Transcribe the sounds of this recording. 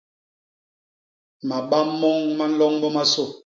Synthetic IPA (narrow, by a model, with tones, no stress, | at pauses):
ma˨ɓa˦mːɔ˦ŋma˦n̩˦lɔ˦ŋmɔ˦ma˦so˦˨